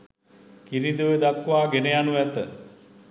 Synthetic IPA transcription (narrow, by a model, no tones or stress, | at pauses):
kiɾid̪uʋed̪akːʋaːɡenejanuʋæt̪ə